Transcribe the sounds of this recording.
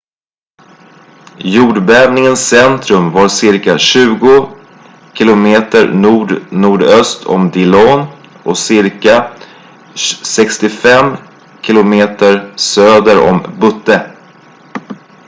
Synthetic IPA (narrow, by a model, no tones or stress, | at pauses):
juːɖbɛːvnɪŋənsɛnt̪ɾɵmvaɾsɪɾkaɕʉ̟ːɡʊ | kʰɪlʊmeːt̪əɾnuːɖnuːɖœst̪ʰɔ̰md̪ɪlɔːn | ʔɔksɪɾka | sɛkst̪ɪfɛm | kʰɪlʊmeːt̪əɾsøːd̪əɾɔ̰mbɵt̪ːə